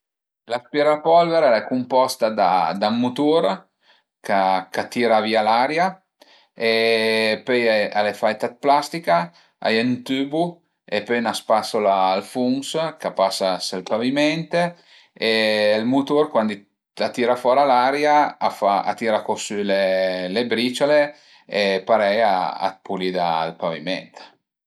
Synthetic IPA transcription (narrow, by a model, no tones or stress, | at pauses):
laspjɛɾapɔlveɾalɛkumpɔst̪ad̪a̰d̪amːut̪uɾ | kakat̪iːɾaviːalaɾja | epøjalefaɛt̪at̪̚plast̪ika | a̰jent̪yːbu | epønaspasolaːlfuŋskapasaselpavimɛnt̪e | elmut̪oɾkwand̪i | at̪iɾafɔɾalaɾjaafaa̰t̪iːɾakosylelebɾit͡ʃole | epaɾɛja̰a̰t̪̚pʰulid̪aːlpavimɛ̰nt̪